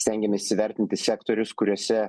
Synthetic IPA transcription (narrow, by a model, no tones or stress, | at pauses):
sʲt̪ʲæŋʲɡʲɛmʲɛsʲiʋʲɛɾʲt̪ʲɪnt̪ʲɪsʲɛkt̪oːɾʲʊskʊɾʲuɔsʲɛ